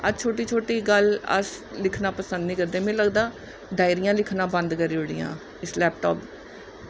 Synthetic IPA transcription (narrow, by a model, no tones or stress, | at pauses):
əd͡ʒt͡ʃʰoːʈiːt͡ʃʰoːʈiːɡələ̰slɪkʰnãːpəsənd̪niːkəɾd̪ẽːmẽːləɡd̪aː | d̪aːɪɾɪjãːlɪkʰnãːbə̃nd̪kəɾiːʊɽijã̰ː | ɪslɛːpʈo̰ːp